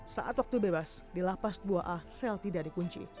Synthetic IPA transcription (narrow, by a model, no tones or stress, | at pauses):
sa̰ʔat̪̚wak̚t̪ubebas | dilapasduaʔasɛlt̪idaʔdikuɲt͡ʃḭ